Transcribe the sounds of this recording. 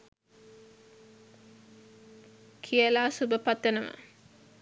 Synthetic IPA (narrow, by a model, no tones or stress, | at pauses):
kʰijəlaːsubəpat̪ːənəʋə̰